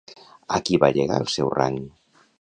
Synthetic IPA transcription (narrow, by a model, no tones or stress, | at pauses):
əkiβaʎəɣa̰əlˠsɛwra̰ŋ